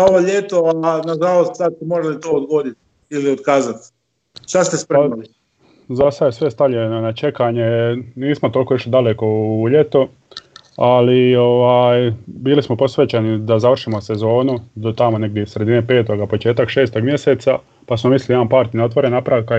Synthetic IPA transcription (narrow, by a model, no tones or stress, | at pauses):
aoʋoʎet̪oanaʒalo̞st̪sad̪semoɾalit̪oːd̪ɡoːd̪it̪ | iliod̪kaːzat̪ | ʃt̪ast̪espɾemali | zasajesʋest̪aʎeno̞nat͡ʃe̞kaɲe̞niːsmot̪olˠkoiʃlid̪aleko̞ʎet̪o | alio̞ʋaːjbiːlismo̞po̞sʋeːt͡ʃenid̪azaʋr̩ʃimo̞se̞zo̞ːnud̪ot̪amo̞ne̞ɡ̚d̪jesɾe̞d̪inepe̞ːt̪o̞ɡapo̞t͡ʃeːt̪akʃeːst̪o̞ɡmje̞se̞ːt̪sa | pasmomislilampaːɾt̪ino̞t̪ʋo̞ɾenapɾaka